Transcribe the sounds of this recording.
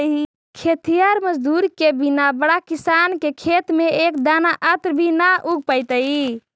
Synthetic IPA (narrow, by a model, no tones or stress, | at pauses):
i | kʰet̪ijaɾməd͡ʒd̪uɾkebinabəɽakisankekʰet̪meekd̪anaʔət̪ɾbʱinaʔuɡ̚pəjt̪əi